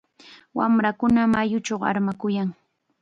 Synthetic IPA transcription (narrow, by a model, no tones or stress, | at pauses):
wamɾakʊnamajʊt͡ʃowa̰ɾmakʊjaŋ